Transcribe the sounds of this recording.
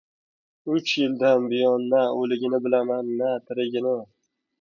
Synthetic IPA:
ʊt͡ʃjɪld̪anbɪjɒnːaolɪɡʲɪnɪbɪlamanːat̪ʰɪɾɪɡʲɪnɪ

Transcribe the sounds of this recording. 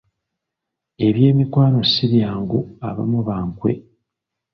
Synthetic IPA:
e̞βje̞ːmikwaːno̞siɾjaːŋɡua̰βa̰muβaːŋkwe̞̰

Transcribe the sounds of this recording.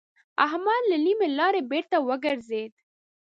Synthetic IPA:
a̰ɦmad̪lanimelɑɾebeɾt̪awəɡəɾzed̪

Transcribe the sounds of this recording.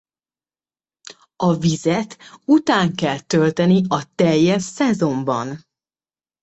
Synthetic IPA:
ɒvizɛt̪ut̪aːŋkɛlt̪ø̞lt̪ɛniɒt̪ɛjːɛʃsɛzo̞mbɒ̰n

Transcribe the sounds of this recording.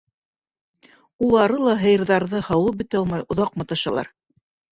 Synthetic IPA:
ulˠɑɾɤlˠɑɦɤ̆jɤ̆ɾðɑɾðɤhɑwɤp̚bɘ̆t̪ɑlˠmɑjʔŏðɑqmɤ̆t̪ɤ̆ʃɑlˠɑ̰ɾ

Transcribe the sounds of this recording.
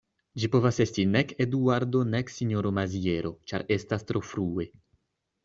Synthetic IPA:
d͡ʒipo̞vase̞stineked̪uaɾd̪o̞neksiɲoɾo̞mazie̞ɾo̞t͡ʃa̰ɾe̞stastɾo̞fɾue̞

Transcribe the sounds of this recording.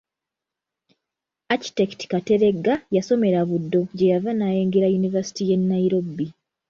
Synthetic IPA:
aci̥teki̥ti̥kate̞ɾe̞ɡːajaso̞me̞ɾaβudːo̞ɟe̞javanaːje̞ːŋɡeɾajunivasi̥tije̞nːaiɾo̞bːi

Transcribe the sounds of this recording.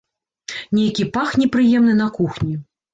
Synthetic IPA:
nʲejkʲipaxnʲɛpɾɨjɛmn̪ɨn̪ɐkuxnʲi

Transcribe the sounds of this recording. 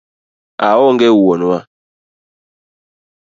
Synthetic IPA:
awɔŋɡɛwɔnwa

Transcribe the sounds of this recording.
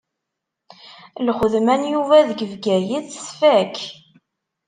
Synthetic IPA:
lχəðmænjuvæðɡəvɡæjiðsfæk

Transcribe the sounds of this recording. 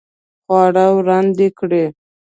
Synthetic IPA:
xwɑɽawɾɑnd̪ekɽe

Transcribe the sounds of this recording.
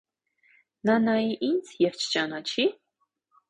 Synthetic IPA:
nɑnɑjiʔind͡zjɛvt͡ʃʰə̥t͡ʃɑnɑt͡ʃʰi

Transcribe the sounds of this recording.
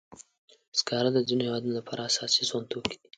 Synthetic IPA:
skɑɾad̪əzinohewɑd̪unolapʰɑɾaasɑsizwant̪wəki̥d̪i̥

